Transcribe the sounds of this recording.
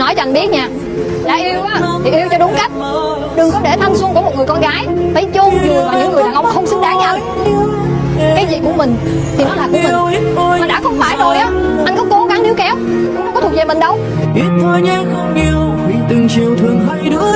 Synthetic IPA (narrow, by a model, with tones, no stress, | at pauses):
nɔ˨˦jŋɓi˦˥ət̚ɲaː˨˩ | ɗa̰ː˧˥ʔi˧ə˧wʔaː˨˧˦t̪ʰi˨˩ʔi˧əwt͡ɕɔ˧ɗʊ˨˦ŋ͡mka˦˥jk̟̚ | ɗɨ˨˩ŋkɔ˨˦ɗe˧˩t̪ʰa˧mswŋku˧˩əo˨˩ŋɨ˨˩jkɔ˧nɣaː˨˦jfə˨˧˦jt͡ɕo˧i˨˩aː˨˩ɲɨ̰˧˥ŋːɨ˨˩ə˧ɗaː˨˩ʔə˧wŋ͡mxə˧wŋ͡msɨ˧˦ŋɗaː˧˦ɲa˧w | kaː˨˦jzḭ˧˨ku˧˩əmï˨˩ŋ̟ | t̪ʰi˨˩nɔ˨˦laː˨˩kṵ˧˥˧mi˨˩˦mː˨ɗa̰ː˧˥xə˧wŋ͡mfaː˧˩jzo˨˩jʔaː˨˦ʔa˧jŋ̟kɔ˨˦ko˨˦ɣa˨˦ŋni˨˦əwkɛ˨˦w | ŋ͡mŋ͡mkɔ˦t̪ʰk̚zɛ˧˨˩mə˨˩ŋ̟ɗə˧w | i˦˥ət̚tə˧jɲaː˧xə˧ŋ͡mʔi˧˩əw | vḭ˧˨t̪i˨˩ŋt͡ɕi˧˩əwt̪ʰɨ˨˩əŋvə˧jɗɨ˨˦˥